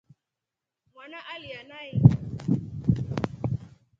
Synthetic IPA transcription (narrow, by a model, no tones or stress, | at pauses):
mwanaʔalianai